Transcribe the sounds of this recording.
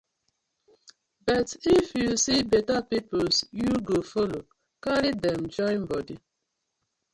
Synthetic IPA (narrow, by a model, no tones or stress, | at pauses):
bɛtifjisibetapiposjuɡofolo | kaɾidɛmd͡ʒɔɪ̃nbɔdi